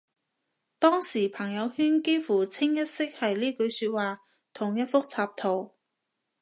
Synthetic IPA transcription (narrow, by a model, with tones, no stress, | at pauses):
t̪ɔː˥ŋsiː˨˩pʰɐ˨˩ŋjɐ˨˧whyː˥nke˥jfuː˨˩t͡sʰɪ˥ŋjɐ˥t̚sɪ˥k̚hɐ˨jliː˥kɵ˨˧ɥsyː˧t̚waː˨˩ | t̪ʰʊ˨˩ŋjɐ˥t̚fʊ˥k̚t͡sʰaː˧p̚t̪ʰo˨˩w